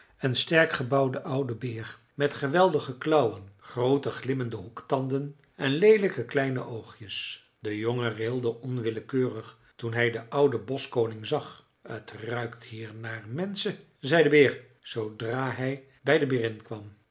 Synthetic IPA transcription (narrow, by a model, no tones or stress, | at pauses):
ənstɛɹkχəbɑwdəʔʌwdəbɪːr | mɛtχəʋɛlˠdəχəklɑwənχrowtəχlɪməndəɦuktɑndən | ʔɛnlejləkəklɛjnə̰ʔowχjəs | d̥əjoŋərɪlˠdəʔɔnʋɪləkøːrəχ | tunɦɛjdəʔʌwdəbɔskownɪŋzɑχ | ə̰trœɥktɦiːɹnaːɹmɛnsə | zɛjdəbɪːɹ | sowdraːɦɛj | bɛjdəbɪrɪnkʋɑm